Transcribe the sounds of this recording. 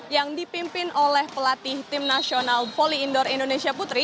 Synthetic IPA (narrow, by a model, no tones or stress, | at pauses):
jaŋdipimpɪnʔolɛhpəlat̪iht̪ɪmnasionalpoliːndɔɾindonesiaput̪ɾi